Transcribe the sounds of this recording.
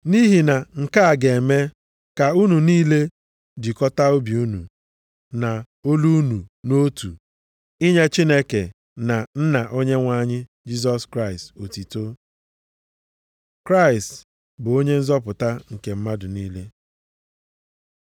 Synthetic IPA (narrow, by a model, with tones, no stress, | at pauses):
ni˦ɦi˨na˨ŋ̩˨ka˦a˨ɡe˨e˨me˦ | ka˨u˦nu˨niː˦le˦ | di˨kɔ˦ta˦o˦bi˨u˦nṵ˨ | na˨ | o˦lu˦nu˨no˦tu˨ | i˦ɲe˦t͡ʃi˦ne˦ke˨ | na˨n̩˦na˨ʔo˦ɲe˦ŋʷa˦˨ɲɪ˦ | d͡ʒi˦s̬ɔ˦skɾa˦ɪ˨sto˨ti˨to˦ | kɾa˦ɪ˨st | bʊ˨o˦ɲe˦n̩˦zɔ˦pʊ˨ta˦ŋ̩˨ke˨m̩˦ma˦dʊ˨niː˦le˦